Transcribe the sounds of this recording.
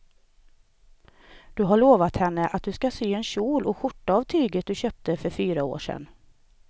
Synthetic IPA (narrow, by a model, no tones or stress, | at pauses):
d̪̥ɵɦaɭoːvat̪hɛnːəʔat̪̚d̪ɵskasyːɛnɕuːlɔɧʊʈːaavt̪ʰyːɡət̪̚d̪ɵɕøːp̚t̪əfœɾfyːɾao̰ːʂɛ̰n